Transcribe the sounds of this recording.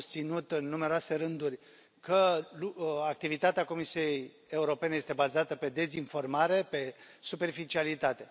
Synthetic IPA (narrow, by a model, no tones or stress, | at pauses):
st̪sinut̪ɨnːumeɾoase̞ɾɨnd̪urʲ | kəlak̚t̪ivit̪at̪eako̞misije̞j | e̞uɾo̞pe̞nejest̪e̞bazat̪əpe̞d̪e̞zinfo̞rmaɾe̞pe̞supe̞rfit͡ʃialit̪at̪e̞